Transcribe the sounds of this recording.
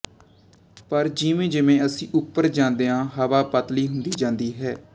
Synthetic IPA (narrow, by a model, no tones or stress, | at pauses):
pəɾd͡ʒiːmẽːd͡ʒɪmẽːəsĩːʔʊpːəɾd͡ʒãːnd̪eːãːɦəʋaːpət̪liːɦʊnd̪iːd͡ʒãːnd̪iːɦɛː